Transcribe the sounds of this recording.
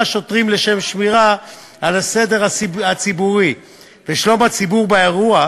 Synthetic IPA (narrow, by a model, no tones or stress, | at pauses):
ʃo̞tʁimle̞ʃe̞mʃmiʁa | alasede̞ʁaat͡sibuʁi | veʃlo̞mat͡sibuʁbeeʁua